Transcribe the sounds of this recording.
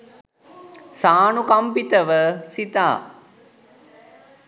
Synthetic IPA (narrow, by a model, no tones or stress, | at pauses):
saːnukampit̪əʋəsit̪a̰ː